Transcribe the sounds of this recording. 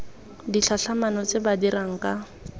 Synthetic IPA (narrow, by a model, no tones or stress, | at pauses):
diɬaɬamanɔt͡sʼɪbadiɾaŋ̩kʼa